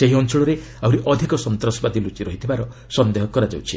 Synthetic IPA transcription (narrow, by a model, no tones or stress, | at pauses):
eɦiɔnt͡ʃɔɭɔɾe | awɾiʔɔd̪ʱikɔsɔnt̪ɾɔsɔbad̪ilut͡ʃiɾɔɦit̪ʰibaɾɔ | sɔnd̪eɦɔkɔɾad͡ʒawt͡ʃʰi